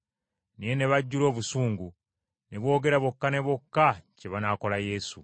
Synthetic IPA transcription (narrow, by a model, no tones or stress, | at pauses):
nijene̞βaɟːulo̞ːβusuːŋɡu | ne̞βwo̞ːɡe̞ɾaβokːane̞βokːaceβanaːko̞laje̞ːsu